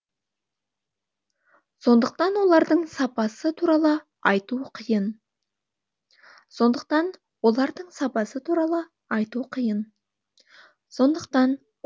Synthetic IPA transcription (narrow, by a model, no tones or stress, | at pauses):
so̞nd̪əq̚t̪ɑnwo̞lˠɑɾd̪əɴsɑpɑsət̪ʰuɾɑlˠə | ɑjt̪uqʰəjən | so̞nd̪əq̚t̪ɑn | wo̞lˠɑɾd̪əɴsɑpɑsət̪ʰuɾɑlˠə | ɑjt̪uqʰəjən | so̞nd̪əq̚t̪ɑn